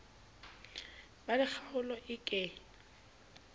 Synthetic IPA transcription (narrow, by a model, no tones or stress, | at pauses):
balɪk͡xʰaʊlɔʔɪkʼɛ